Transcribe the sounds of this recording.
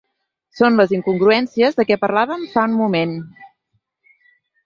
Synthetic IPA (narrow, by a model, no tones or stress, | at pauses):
sonləziŋkuŋɡɾuɛnsiəzðəkɛpəɾlaβ̞əmfaunmumen